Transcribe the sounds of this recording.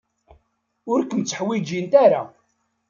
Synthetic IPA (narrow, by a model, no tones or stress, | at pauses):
ʊɾkəmt͡sːəħwid͡ʒint̪aɾa̰